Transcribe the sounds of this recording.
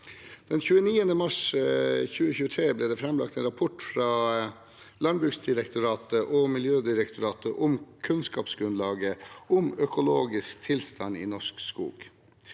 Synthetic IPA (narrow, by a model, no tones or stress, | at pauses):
d̪̥ɛnçʉːəniːənəmɑʂ | çʉːəçʉːət̪ʰɾeːblɛːd̪ɛːfɾɛmlɑ̰k̚t̪ɛːnɾɑpʰɔʈfɾɑː | lɑnbɾʉːksd̪ɪɾɛkt̪ʊɾɑːt̪əʔɔmɪljøːd̪ɪɾɛkt̪ʊɾɑːt̪ʰəʔʊmkʰʉnskɑːpsɡɾʉnlɑːɡəʊmœkʊloːɡɪskt̪ʰɪlst̪ɑnːḭːnɔʂkskṵːɡ